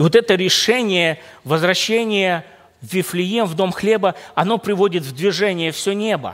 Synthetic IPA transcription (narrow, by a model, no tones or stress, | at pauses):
vot̪ɛt̪əɾʲɪʂɛnʲɪjəvəzvɾɐɕːenʲɪjə | vʲɪflʲɪjemvd̪omxlʲe̞bəɐno̞pɾʲɪvo̞dʲɪt̪vd̪vʲɪʐɛnʲɪjəfsʲɵnʲe̞bə̰